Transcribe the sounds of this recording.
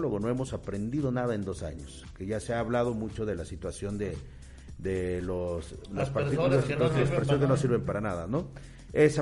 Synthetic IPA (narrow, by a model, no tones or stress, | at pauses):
loɣo̞no̞emo̞sapɾe̞nd̪iðo̞naðae̞nd̪o̞sa̰ɲo̞s | ke̞ʝaseaːβlað̞o̞mut͡ʃo̞ðe̞lasit̪wasjo̞nd̪e | d̪eloslaspat̪ikullasolospɾsokenos̬iɾβe̞mpaɾanaðano̞ | es